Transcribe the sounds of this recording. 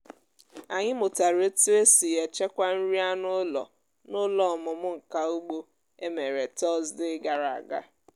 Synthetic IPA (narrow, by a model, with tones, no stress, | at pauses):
a˨ɲɪ˦mʊ˨ta˨ɾe˦te˦si˨je˨t͡ʃe˦kʷa˦n̩˦ɾi˦a˦nʊ˦lɔ̰˨ | nʊ˦lɔ˨mʊ˨mʊ˦ŋ̩˨ka˨u˦ɡ͡bo˦ | e˦me˨ɾe˨tɔ˦zdɪ˦ɡa˨ɾa˨a̰˨ɡa̰˦